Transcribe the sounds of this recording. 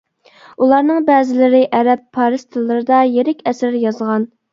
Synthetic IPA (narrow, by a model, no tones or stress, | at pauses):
ulˠɑɾnɨŋbɛːzɪlɪɾɪʔɛɾɛpʰːɑɾɨst̪ʰɨlˠːɨɾɨd̪ɑjeɾɪkʲɛsɾjɑzʁɑn